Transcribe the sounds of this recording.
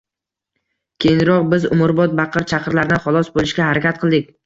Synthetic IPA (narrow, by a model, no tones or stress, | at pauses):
kʲʰejɪnɾɒq̚bɪzʊ̰mʊɾbɒt̪̚bɑqʰɨɾt͡ʃʰaqʰɨɾlaɾɪd̪anχɒlˠɒsbolˠɪʃɡʲahaɾakʲʰat̪̚qʰɨlˠd̪ɪk̚ʲ